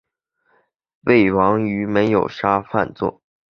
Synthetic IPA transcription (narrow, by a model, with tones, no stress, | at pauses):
we˥˩ɪwɑ˧˥ŋy˧˥me˧˥ɪjo˨˩ʊʂa˥fa̰˥˧nt͡swɔ̰˥˩